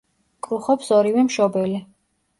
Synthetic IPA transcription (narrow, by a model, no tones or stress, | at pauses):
kʼɾuχɔpsɔɾivɛmʃɔbɛli